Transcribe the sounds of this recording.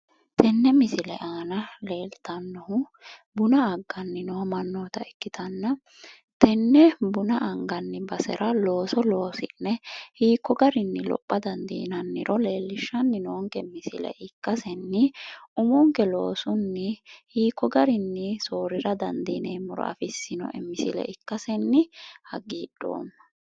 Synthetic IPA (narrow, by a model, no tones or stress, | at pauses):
t̪ʰɛnːɛmɪsɪlɛ̰ʔaːnɐle̞ːlt̪ɐnːɔhʊbʊnɐɐɡːɐnːɪnɔwɐmɐnːoːt̪ɐɛkːɪt̪ʰɐnːɐ | t̪ɛnːɛbʊnɐɐŋɡɐnːɪbɐsɛ̰ɾʔɐlo̞ːsɔlo̞ːsɪnːɛhiːkːɔɡɐɾɪnːɪlɔ̰pʼːɐd̪ɐnd̪ḭːnɐnːɪɾɔle̞ːlːɪʃːɐnːɪnɔːŋkɛmːɪsɪlɛ̰ʔɪkːɐsɛnːɪʊmɔŋkɛlo̞ːsʊnːɪhiːkːɔɡɐɾɪnːɪso̞ːɾɪɾɐd̪ɐnd̪iːneːmʊɾɔ̰ʔɐ̰fɪsːɪnɔ̰ʔɛmɪsɪlɛ̰ʔɪkːɐsɛnːɪhɐɡːiːd̥o̰ːnːɐ̥